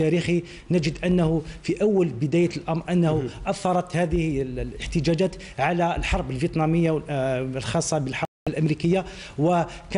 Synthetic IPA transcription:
æɾixi | næd͡ʒəd̪ʔənːæhufiʔæwːəlbəd̪æjəlʔɑmɾˤʔənːæhuʔɑθːɑɾˤɑt̪hæd̪əhlləħt̪əd͡ʒæd͡ʒæt̪ | ʕalæəlħɑɾˤbəlvjət̪nɑməjːawlxɑsˤːɑbəlħɑ | lʔæmɾikəjːawək

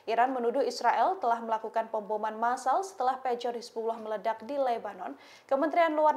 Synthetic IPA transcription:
ʔiɾanmənudʊhisɾaʔɛlt̪əlahməlakukanpəmbomanmasalsə̥t̪əlahpɛd͡ʒɔrispulɔhmələdak̚dilɛbanɔn | kəmənt̪ɾianluar

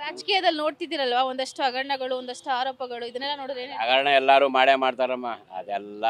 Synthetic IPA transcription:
ɾaːd͡ʒɐkiːjɐd̪ɐlːno̞ːɽt̪id̪iɾɐlʋaːond̪ɐʂʈuɐɡɐɾɐɳɐɡɐɭuond̪ɐʂʈuaːɾoːpɐɡɐɭuid̪ɐnɛlːɐnoːɽiɾeɐɡɐɾɐɳɐɛlːaːɾuːmaːɽemaːɽt̪aːɾɐmːaːɐ̰d̪ɛlːɐ

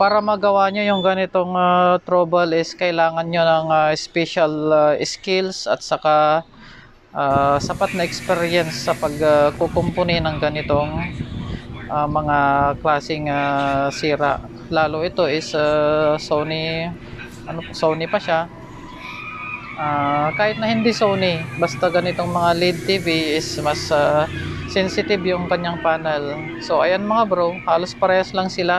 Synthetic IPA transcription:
paːɾɐmɐɡɐwaɲojʊŋɡɐnɪt̪o̞ŋat̪ɾoːbɐlɪskɐʔɪlaːŋɐnɲonɐŋaɪspɛʃɐlɪskɪlsɐ̰t̪̚sɐka | ʔasɐpat̪̚nɐɛkspɛɾjɛnsːɐpɐɡakokompʊninɐŋɡɐnɪt̪o̞ŋ | ʔamɐŋaklaːsɪŋasiːɾɐʔ | laːloʔɪt̪o̞ʔɪsɐsownɪ | ʔɐnosownɪpɐʃa | ʔaːkaːhɪt̪̚nɐhɪnd̪isownɪbɐst̪ɐɡɐnɪt̪o̞ŋmɐŋalid̪̚t̪iːviɪsmɐsaː | ɛnsɪt̪ɪbjʊŋkɐɲːaŋpaːnɛl | so̞ʔɐjɐnmɐŋabɾowhaːlo̞spɐɾɛːhɐslɐŋsɪla

